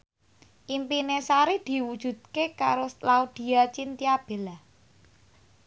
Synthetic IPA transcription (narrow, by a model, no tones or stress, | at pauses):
ʔimpinesaɾid̪̥i̤wud̥ʒ̥ṳd̪̥̚kekaɾolaud̪̥i̤at͡ʃint̪iab̥e̤lah